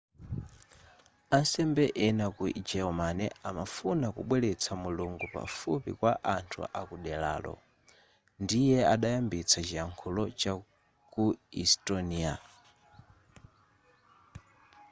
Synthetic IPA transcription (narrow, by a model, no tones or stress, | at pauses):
ansɛmbɛʔɛnakud͡ʒɛɔmanɛamafunakṵɓwɛlɛt͡sʰamuluŋɡupa̰fupḭkwaʔantʰṵʔakuɗɛla̰ːlɔ̰ | ndijɛaɗajambit͡sʰat͡ʃiaŋkʰulɔt͡ʃa | kuḭstɔnia